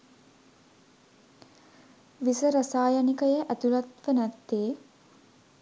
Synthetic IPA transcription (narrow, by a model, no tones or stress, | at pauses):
ʋisəɾasaːjanikəjəʔæt̪ulat̪ʋənæt̪ːeː